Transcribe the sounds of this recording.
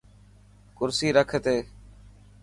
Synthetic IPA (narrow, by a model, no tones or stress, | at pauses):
kʊɾsiːɾəkʰet̪eː